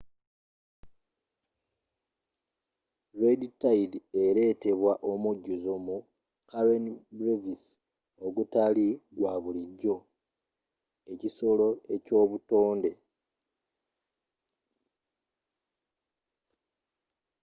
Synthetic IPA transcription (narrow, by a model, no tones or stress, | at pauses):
ɾeditaidie̞ɾe̞te̞βwaʔomuɟːuzomu | kaɾenbɾevis | oɡutaliɡwaβuliɟːo̞ | e̞ciso̞lo̞e̞co̞ːβutoːnde̞